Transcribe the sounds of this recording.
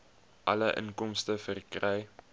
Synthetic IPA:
ʔɐ̰ləʔə̰nkɔmstəfərikrɛj

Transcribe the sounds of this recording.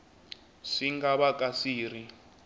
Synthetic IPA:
ʂiŋɡaβakʼasiːr̤i

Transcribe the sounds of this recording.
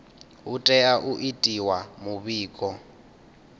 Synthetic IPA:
utʼɛaʔuʔitʼiwamuβiːkʼɔ

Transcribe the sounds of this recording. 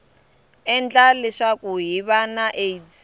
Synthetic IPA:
ɛnd͡ɮalɛʂakuɦiβanaʔeid͡zi

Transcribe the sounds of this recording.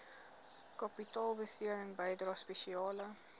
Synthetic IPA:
kɑpitɑːlˠbəsiəɾəŋbɛjdrɑːspɛʃiɑːlə

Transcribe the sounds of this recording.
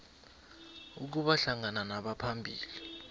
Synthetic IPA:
uk̬uɓaɬaŋananaɓapʰambʱiːli

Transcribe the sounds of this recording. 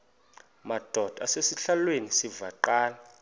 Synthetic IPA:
mad̥ʱɔd̥ʱʼasesiɬalwenisivaǃaːla

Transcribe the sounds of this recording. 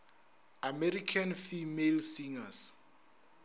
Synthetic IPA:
amɛɾikʰanfimelsiŋas

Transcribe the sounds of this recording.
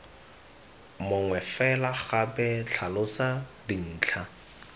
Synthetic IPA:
mʊŋwɛfɛlaχabɛt͡ɬʰalʊsadin̩ːt͡ɬʰa

